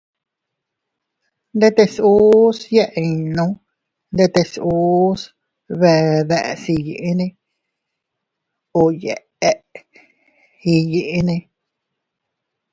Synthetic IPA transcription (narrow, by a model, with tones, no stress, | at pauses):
nd̪e˦t̪e˧su˦sje˦ʔi˧nõ˧˦ | nd̪e˧t̪e˧su˦s | βe˧ðe˧ʔsi˧ji˨ʔi˦nĩ˧ | o˧˨je˨ | e˦ʔ | i˧ji˧ʔnĩ˧